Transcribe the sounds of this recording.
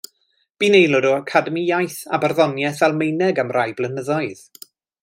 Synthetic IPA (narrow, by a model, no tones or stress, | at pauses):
b̥iːnejlˠɔdɔakʰadəmijajθa̰barðɔnjɛθvɛlˠmejnɛɡamrʔajblˠənəðɔɨð̥